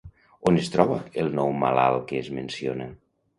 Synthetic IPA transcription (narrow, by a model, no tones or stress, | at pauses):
onest̪ɾɔβəelˠnɔwma̰la̰lˠkeːzmensionə